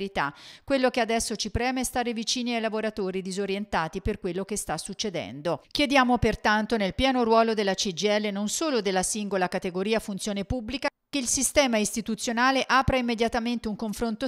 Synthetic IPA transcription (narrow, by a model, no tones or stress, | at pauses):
ɾit̪akwelːokead̪ɛsːot͡ʃipɾɛːmeɛst̪aːɾevit͡ʃiːniajlavoɾat̪oːɾid̪izoɾjent̪aːt̪iperkwelːokest̪asːut͡ʃːed̪ɛ̰nd̪okjed̪jaːmopert̪ant̪onelpjɛːnoɾwɔːlod̪elːat͡ʃid͡ʒiɛlːenonsoːlod̪elːasiŋɡolakat̪eɡoɾiːafunt̪sjoːnepubːlika | keilsist̪ɛːmaist̪it̪ut̪sːjonaːleʔaːpɾaimːed̪jat̪ament̪euŋkoɱfɾont̪o